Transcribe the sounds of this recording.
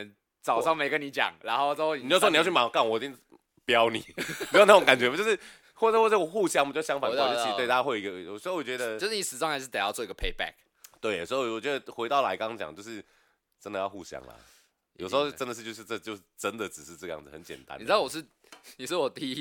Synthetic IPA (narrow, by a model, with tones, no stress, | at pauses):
ə˦n | t͡sɑ˨˩ʊʂɑ˥˩ŋme˧˥ɪkə˦ni˧˦t͡ɕjɑ̰˨˩˦ŋna˧˦nxo˥˧ʊɑ˥˧xo˥˧ni˨o˥˩ʊwɔ˥ni˨jt͡ɕy˥˩ma˨˩˦ka˥˩nwɔ˨˩i˨˩t̪i˥˩ŋ | pjɑ˦ʊnḭ˨˩˦u˧˥˧na˥˩o˧˦ŋka˨˩nt͡ɕɥɛ˧˥˦jo˥˧ʂɻ̩˥˩ | xwɔ˥˩ə˩xwɔ˥˧˩wxu˥˧ɕjɑ˥ŋ˨˩t͡ɕo˥˧ɕjɑ˥ŋfa˨n˥˩˥t͡ɕi˧˥t̪wt̪a˥˦xwe˥˩ɪi˧˥ɡə˧jo˨˩ʂ̩˧ho˥ʊwɔ˨˩t͡ɕɥɛ˧d̪ə˧o˥ʊʂɻ̩˥˩i˧˩ʂɻ̩˧˥t͡sŋxa˧˥ɪʂɻ̩˥˩t̪jɑ˥˧ʊt͡swi˦ɡə˧pʰe˥˧ɪpæ̰˥˩k̚ | t̪we˥˩ɪjo̰˨˩sə˧˥xo˥˩wɔ˨˩t͡ɕɥɛ˧˦d̪ə˧xwe˧ɪt̪ɑ˥˩ʊla˧˥ɪkɑ˦ŋt͡ɕjɑ̰˨˦ŋt͡ɕjo˥˧ʊʂɻ̩˥˩ | ʈ͡ʂə˦nd̪ə˨jɑ˥˧ʊxu˥˨ɕjɑ̰˥ŋlɐ̰˨ | jo̰˨˩ʊʂ̩˧xo˥˧ʈ͡ʂə˦nd̪ə˨ʂ̩˥˧t͡ɕjo˥˧ʊʂɻ̩˥˧ʈ͡ʂə˥˩t͡ɕjo˧ʂɻ̩˥˩ʈ͡ʂə˦nd̪ə˨ʈ͡ʂɻ̩˨˩ʂ̩˥˧ʈ͡ʂɤ˥˧jɑ̰˥˩ŋd͡z̩˨˩hə˨˦nt͡ɕjɛ̰˨˩nt̪a̰˦ni˨˩˧ɑ˥˩wɔ˨˩ʂɻ̩˥˩ | ni˨˩ʂɻ̩˥˩wɔ˨˩t̪i˥